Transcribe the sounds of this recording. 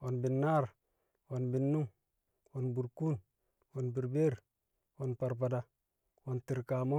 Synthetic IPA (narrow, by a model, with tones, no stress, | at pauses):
o˨nbi˨nːa˦˨ɾ | o˨nbi˨nːu˦ŋ | o˨nbu˨ɾku˦n | o˨nbi˨ɾbe˦ɾ | wo˨npa˨ɾpa˨da˨ | o˨nti˨ɾka˨mo˦